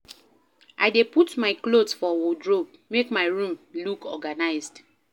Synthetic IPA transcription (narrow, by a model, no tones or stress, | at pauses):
ʔa̰jdeputmaɪklodfɔwodɹob̚mekmaɪɹũmlukʰɔɡanaɪzd